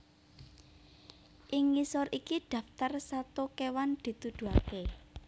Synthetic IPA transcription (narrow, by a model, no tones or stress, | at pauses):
ʔɪŋːisɔɾikiɖ̪̥ä̤ft̪arsat̪ukewand̪̥i̤t̪ud̪̥ṳake